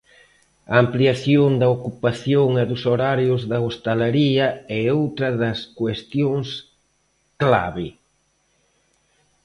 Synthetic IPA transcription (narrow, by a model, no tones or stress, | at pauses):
ɐːmpliaθjond̪ɐokupaθjoŋɛðʊsoɾaɾjʊzðɐost̪alaɾiɐɛowt̪ɾɐðɐskwest̪joŋs | kla̰βɪ